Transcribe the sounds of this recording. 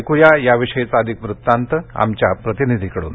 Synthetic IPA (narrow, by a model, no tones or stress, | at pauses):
kujajaʋiʂəjt͡səd̪ʱikʋɾut̪ːant̪əa̰mt͡ɕjapɾət̪inid̪ʱikəɽṵːn